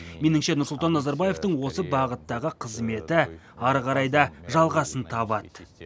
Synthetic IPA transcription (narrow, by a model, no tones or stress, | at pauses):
me̞nɪŋʃe̞nʊɾsʊlˠt̪ɑnːɑzɑɾbɑje̞ft̪əɴwo̞səbɑʁət̪ːɑʁəqʰəzme̞t̪ɪ | ɑɾʁɑɾɑjd̪ɑʒɑlˠʁɑsənt̪ʰɑbɑt̪